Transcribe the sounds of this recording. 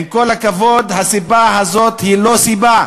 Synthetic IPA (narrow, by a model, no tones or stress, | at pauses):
mko̞lakavod̪hasibaɦazot̪hilo̞siba